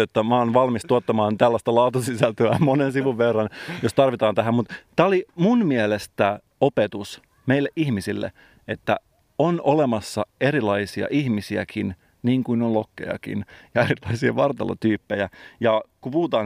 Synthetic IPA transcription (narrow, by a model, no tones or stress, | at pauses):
ot̪ːɑmæonʋɑlmist̪uot̪ːɑmɑːnt̪ælːæst̪ɑlɑut̪usisælt̪øæmonensiʋuʋʋerːɑnjost̪ɑrʋit̪ɑːnt̪æɦæmmut̪t̪ːæːolimunmielest̪æ | opet̪us | meilːeʔihmisilːḛ | et̪ːæ̰ | onolemɑsːɑeɾilɑisiɑ̰ʔihmisiæ̰kʰin | niːŋkuinolokːḛjɑ̰kḭnjɑeɾilɑisiɑ̰ʋɑrt̪ɑ̰lɑ̰t̪yːpːejæjɑkupuhut̪ɑː